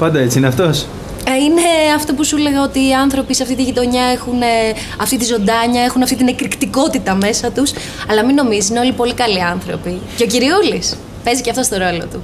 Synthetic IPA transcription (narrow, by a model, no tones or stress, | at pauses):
pɐnd̪ɐet͡siineɐft̪o̞s | ineɐft̪o̞pusule̞ɣɐo̞t̪iːɐnθɾo̞piseɐft̪it̪iʝit̪o̞ɲɐexune | ɐft̪it̪izo̞nd̪ɐɲɐe̞xunɐft̪it̪ine̞kɾikt̪iko̞t̪it̪ɐme̞sɐt̪us | ɐlɐmino̞mizisineo̞lipo̞likɐliɐnθɾo̞̰piceo̞ciɾiulis | pe̞ziceɐft̪o̞st̪o̞ɾo̞lo̞̰t̪u